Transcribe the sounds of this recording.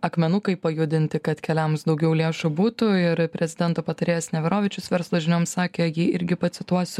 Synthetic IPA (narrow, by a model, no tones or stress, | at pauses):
ɐkmʲɛnʊkɐɪpɐjʊd̪ʲɪnʲt̪ʲɪkɐt̪kʲɛlʲɛmsd̪ɒʊɡʲɛʊlʲeːʃubuːt̪ʊɪɾpʲɾʲɛzʲɪd̪ʲɛnt̪oːpɐt̪ɐɾʲeːjɛːsnʲɛʋʲɪɾoːʋʲiːt͡ʃʲʊsʋʲɛɾslˠoʒʲɪnʲoːmssɑːkʲeːjiɪɾʲɡʲɪpɐt̪sʲɪt̪uɔsʲʊ